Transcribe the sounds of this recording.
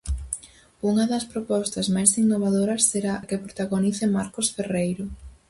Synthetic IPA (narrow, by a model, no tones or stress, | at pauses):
uŋɐðɐspɾopɔst̪ɐzmajsinːoβ̞aðoɾɐsːeɾaɐkepɾot̪aɣoniθemaɾkosferejɾo